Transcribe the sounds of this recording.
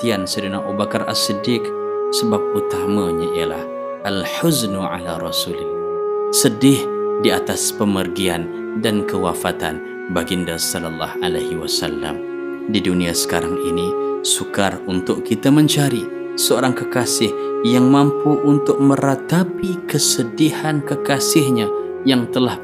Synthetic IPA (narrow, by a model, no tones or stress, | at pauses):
t̪iansədənaʔubakara̰sədɪk | səbap̚ut̪amaɲaijəla̰h | alħʊznuʕa̰laɾɔsulɪlːsədɪhdiat̪aspəmərɡian | dankəwafat̪a̰n | baɡindasɔlalːɑ̰hʔalahiwasa̰lːa̰m | didunĩasə̥kaɾaŋinisukarunt̪ʊʔkit̪amə̃ɲt͡ʃaɾi | səoɾaŋkəkasɪhjaŋmãmpuʔunt̪ʊk̚mə̃ɾat̪apikəsədihankəkasɪhɲa | jaŋt̪əlah